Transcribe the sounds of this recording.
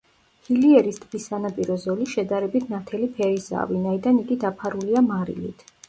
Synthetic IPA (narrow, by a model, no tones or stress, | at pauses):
hiliɛɾist̪ʼbisːanapʼiɾɔzɔliʃɛd̪aɾɛbit̪ʰnat̪ʰɛlipʰɛɾisa̰ːvinaid̪aniɡid̪apʰaɾuliamaɾḭlḭt̪ʰ